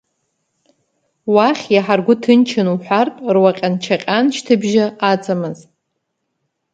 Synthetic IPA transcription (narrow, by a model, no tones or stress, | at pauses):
waχʲjaħarɡʷʊtʰɨnt͡ʃʰanuħʷartʼrwaqʲʼant͡ʃʰaqʲʼanʃtʰɨbʒaʔat͡sʼamɨz